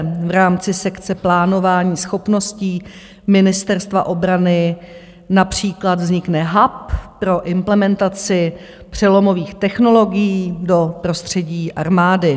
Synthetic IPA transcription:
vɾaːmt͡sɪsɛkt͡sɛplaːno̞vaːɲiːsxo̞pno̞sciː | mɪnɪst̪ɛɾst̪vaʔo̞bɾanɪ | napr̝̥iːklad̪vzɲɪknɛɦappɾo̞ʔɪmplɛmɛnt̪at͡sɪ | pr̝̥ɛlo̞mo̞viːxt̪ɛxno̞lo̞ɡɪjiːdo̞pɾo̞st̪r̝̥ɛɟiːʔaɾmaːdɪ

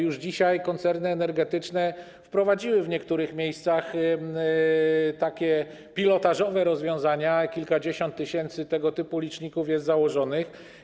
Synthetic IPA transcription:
juʐd͡ʑiɕajkɔnt̪sɛɾnɘɛnɛɾɡɛt̪ɘt͡ʂnɛ | fpɾɔvad͡ʑiwɘvɲɛkt̪uɾɘxmʲjejst̪sax | t̪akʲɛ | pʲilɔt̪aʐɔvɛɾɔzvʲjɔ̃w̃zaɲakʲilkad͡ʑeɕɔnt̪ːɘɕɛnt̪sɘt̪ɛɡɔt̪ɘpulʲit͡ʂɲikufjɛst̪zawɔʐɔnɘx

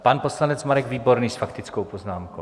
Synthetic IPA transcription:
panpo̞slanɛt͡smaɾɛɡviːbo̞ɾniːsfakt̪ɪt͡skowpoznaːmkow

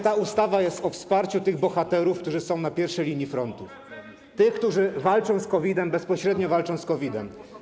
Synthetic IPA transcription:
t̪aust̪avajɛst̪ɔfspaɾt͡ɕut̪ɘɣbɔxat̪ɛɾufkt̪uʐɘsɔ̃w̃napʲjɛɾfʂɛjlʲiɲifɾɔnt̪uf | t̪ɘxkt̪uʐɘvalt͡ʂɔ̃w̃skɔvʲid̪ɛmbɛspɔɕɾɛd̪ɲɔvalt͡ʂɔ̃w̃skɔvʲid̪ɛ̰m

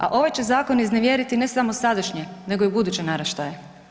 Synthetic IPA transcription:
a̰ʔo̞ʋajt͡ɕe̞zaːko̞nizneʋjeɾit̪ine̞samosad̪aʃɲene̞ɡo̞ibud̪ut͡ɕenaɾaʃt̪aje

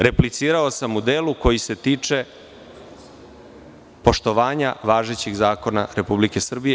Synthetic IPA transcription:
ɾe̞plit̪siːɾao̞samud̪eːluko̞jise̞t̪iːt͡ʂe̞ | po̞ʃt̪o̞ʋaːɲaʋaːʒet͡ɕiɣzaːko̞na̰ɾe̞publike̞sr̩bije

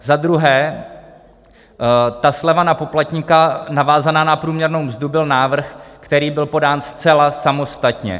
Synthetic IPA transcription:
zad̪ɾuɦɛː | t̪aslɛvanapo̞plat̪ɲikanavaːzanaːnapɾuːmɲɛɾno̞wmzd̪ubɪlnaːvr̩xkt̪ɛɾiːbɪlpo̞daːnst͡sɛlasamo̞st̪at̪ɲɛ̰

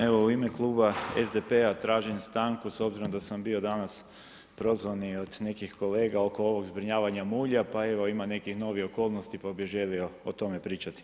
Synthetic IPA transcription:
e̞ʋo̞uimeklˠuːbaezd̪epeat̪ɾaːʒinst̪aːŋkuso̞bziɾomd̪asambio̞d̪anas | pɾo̞zʋanio̞d̪ne̞kixko̞le̞ːɡao̞ko̞oʋo̞ɡzbɾiɲaːʋaɲamuːʎapae̞ʋo̞imane̞kixno̞ʋioko̞ːlˠnost̪ipabiʒe̞lio̞ot̪o̞me̞pɾiːt͡ʃat̪i̥

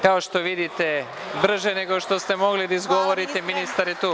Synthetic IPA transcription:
kao̞ʃt̪o̞ʋid̪it̪e̞ | br̩ʒene̞ɡo̞ʃt̪o̞st̪e̞mo̞ɡlid̪aizɡo̞ʋoɾit̪eminist̪aɾet̪uː

